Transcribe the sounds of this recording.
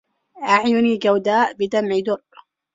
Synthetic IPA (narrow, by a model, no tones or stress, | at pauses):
ʔaʕjʊniːɡawd̪aːʔbɪd̪amʕid̪ʊr